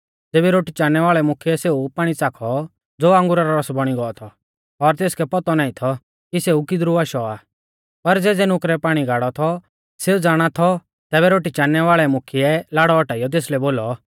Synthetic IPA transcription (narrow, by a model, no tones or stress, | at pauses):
d͡zeːbɛɾoːʈit͡ʃaːnːɛʋaːɭɛmʊkʰiɛseːupaːɽ̃it͡saːkʰɔ | d͡zoːãŋɡʊɾaɾɔɾɔsbɔɽ̃iɡɔɔt̪ʰɔ | ɔɾt̪eːskɛpɔt̪ɔnaːĩt̪ʰɔ | kiseːukid̪ɾuʋaːʃɔaː | pɐɾd͡zɛːd͡zɛnʊkɾɛpaːɽ̃iɡʱaːɽɔt̪ʰɔ | seud͡zaːɽ̃at̪ʰɔ | t̪ɛːbɛɾoːʈit͡ʃaːnɛʋaːɭɛmʊkʰiɛlaːɽɔːʈaːijɔt̪̬eːslɛboːlɔ